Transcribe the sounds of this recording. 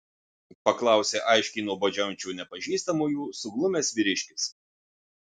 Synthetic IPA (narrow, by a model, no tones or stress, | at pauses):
pɐklˠɑˑʊsʲeːʔɐɪʃʲkʲɛɪnuɔbɐd͡ʒʲɛnʲt͡ʃʲuːnʲɛpɐʒʲiːst̪ɐmuːjuːsʊɡlˠʊmʲeːsʋʲiɾʲɪʃʲkʲɪs